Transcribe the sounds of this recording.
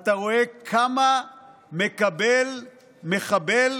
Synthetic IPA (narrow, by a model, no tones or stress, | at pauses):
t̪aʁo̞ekʰamamekabel | me̞χabel